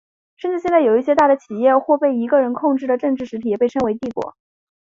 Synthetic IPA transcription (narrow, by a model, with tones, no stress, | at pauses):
ʂə˥˧nʈ͡ʂɻ̩˥˧ɕjɛ˥˧nt͡sa˥˩jo˨˩ʊi˥˩ɕjɛ˥t̪a˥˩d̪ə˩t͡ɕʰi˨˩jɛ˥˧xwɔ˥˧pe˥˩ɪi˧˥ɡə˧ɻə˧˥nkʰʊ˥˧ŋʈ͡ʂɻ̩˥˩d̪ə˩ʈ͡ʂɤ˥˧ŋʈ͡ʂɻ̩˥˩ʂɻ̩˧˥t̪ʰi˨˩jɛ˨˩pe˥˩ɪʈ͡ʂʰɤ˥ŋwe˧˥ɪt̪i˥˩kwɔ̰˧˩˥